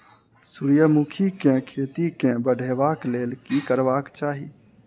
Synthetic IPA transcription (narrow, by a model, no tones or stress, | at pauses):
suːɾjəmukʰikẽkʰeːt̪ikẽbəɖʱeːʋaːkleːlkikəɾʋaːkt͡ʃaːɦi